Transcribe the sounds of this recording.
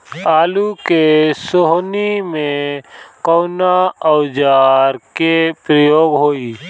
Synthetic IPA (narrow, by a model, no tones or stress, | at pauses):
aːlukesoɦnimẽkɔːnaəwd͡ʒaːɾkepɾəjoːɡɦoːiː